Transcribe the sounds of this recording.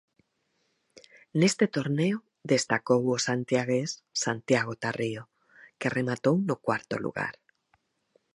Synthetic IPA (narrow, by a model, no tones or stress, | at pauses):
nest̪et̪oɾneo | ðest̪akowosant̪jaɣ̞essant̪jaɣ̞ot̪ario | keremat̪ownokwaɾt̪o̰lṵɣa̰ɾ